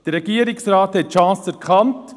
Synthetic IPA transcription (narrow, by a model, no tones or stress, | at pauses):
d̥əɾɛɡiəɾɪksɾaːthɛtʃɑ̃ːsæɾkχɑnt